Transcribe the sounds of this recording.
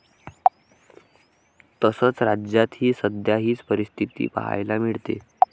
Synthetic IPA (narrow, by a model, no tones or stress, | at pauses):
t̪əsəːt͡sɾad͡ʑjat̪ɦiːsəd̪ʱjaɦiːt͡spəɾist̪ʰit̪ḭːpa̰ɦa̰jlamiɭt̪ḛ